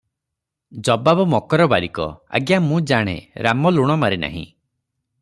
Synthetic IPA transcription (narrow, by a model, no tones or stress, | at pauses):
d͡ʒɔbabɔmɔkɔɾɔbaɾikɔ̰a̰ɡjamũd͡ʒaɽ̃ḛɾamɔluɽ̃ɔmaɾena̰ɦḭ̃